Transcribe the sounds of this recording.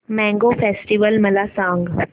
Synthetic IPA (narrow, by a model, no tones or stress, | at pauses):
mɛ̃ːŋɡoːfʰeːsʈiʋəlmɐlasãːŋɡ